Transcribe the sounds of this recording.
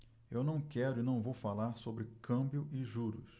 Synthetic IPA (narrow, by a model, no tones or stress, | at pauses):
ewnɐ̃w̃kɛɾʊɪnɐ̃w̃vowfalaɾsobɾɪkɐ̃bjʊʔɪʒuɾʊs